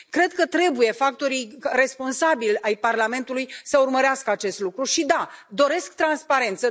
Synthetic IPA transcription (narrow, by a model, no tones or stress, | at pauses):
kɾe̞d̪kət̪ɾe̞buje̞fakt̪o̞ɾire̞spo̞nsabilʲajparlame̞nt̪ulujsəurməɾeaskəat͡ʃe̞st̪lukɾuʃid̪ad̪o̞ɾe̞skt̪ɾanspaɾe̞nt̪sə